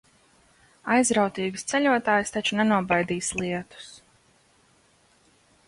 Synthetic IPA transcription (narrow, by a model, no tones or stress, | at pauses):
ajzɾawt̪iːɡst̪sɛʎʲuɔt̪aːjst̪at͡ʃunɛnuɔbajd̪iːslˠiɛt̪u̥s